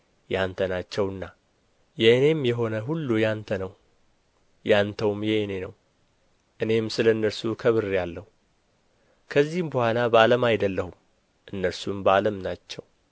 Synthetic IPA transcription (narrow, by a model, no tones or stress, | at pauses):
jant̪ʰənat͡ʃːɛwɨnːa | jɛne̞mjɛɦo̞nəɦulːujant̪ʰənəw | jant̪ʰəwmjɛne̞nəw | ʔɨne̞msɨləɨnːəɾsukʰəβɨrjalːəhu | kʰəzːihmbəhʷalabaləmajd̪əlːəhum | ʔɨnːəɾsumbaləmnat͡ʃːɛw